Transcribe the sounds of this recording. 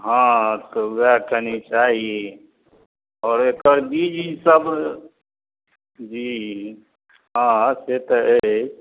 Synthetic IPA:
ɦãt̪oakənit͡ʃaɦie | ɔːɾekəɾbid͡ʒisəb | d͡ʒi | ɦãset̪əe

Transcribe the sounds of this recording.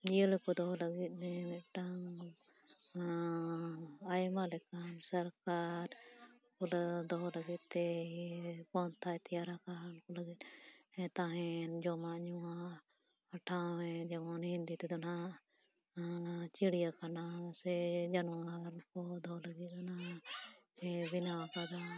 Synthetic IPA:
d͡ʒiəlkɔd̪ɔɦlɐɡit̪̚nɛmɛʈaŋ | ajmalɛkansɐɾkaɾ | kɔld̪ɔɦləɡit̪̚t̪ɛ | pɔnt̪ʰaɛt̪ijaɾakaɾnkoləɡit̪̚ɛ̃t̪aɦɛnd͡ʒɔmaɲuwa | ɐʈʰawɛ̃d͡ʒɛbɔnhind̪it̪ɛd̪ɔna | t͡ʃiɽijakanasɛd͡ʒanwəɾkod̪ʱɔləɡikana | ɛbinaapad̪a

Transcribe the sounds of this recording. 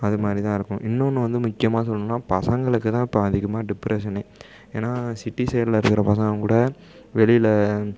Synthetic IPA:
ɐðɯmaːd̪ɾit̪ãːɪɾɯkːʊ̃ʔɪnːoːnːɯ̃ʋɐnd̪ɯmʊkːɪjɐmaːsɔlːɯ̃nːaːpɐsɐŋɡɐɭɯkːɯt̪ãːɪpːɐɐðɪɣɐmaːɖɪpːɾesɐnɐɪ | ḛːnːaːsɪʈːisɛjɐɽlɐɪɾɯkːɪɾɐpɐsɐ̃ŋɡɐkuːɽɐ | ʋɛɭɪlɐ

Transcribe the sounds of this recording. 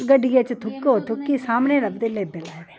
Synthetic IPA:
ɡəɖijat͡ʃt̪ʰʊkːoot̪ʰʊkːisaːmneːɾɐbd̪eleːbelaːʋeː

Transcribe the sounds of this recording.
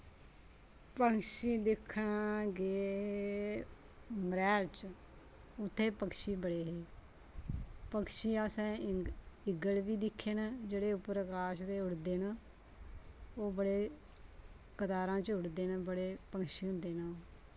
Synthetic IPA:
pəŋʃiːd̪ɪkʰːnɡeː | mɾɛːlt͡ʃ | ʊt̪ʰːeːpəkʃiːbəɽeːɦeː | pəkʃiːaːsɛ̃ː | ɪɡəlʋiːd̪ɪkʰːeːnad͡ʒeːɽeːʊpɾəkaːʃt̪eːɦʊɽd̪eːnaː | oːbəɽeː | kət̪aːɾãːt͡ʃɦʊɽd̪eːnːbəɽeːpəŋkʃiːɦʊ̃nd̪eːnaː

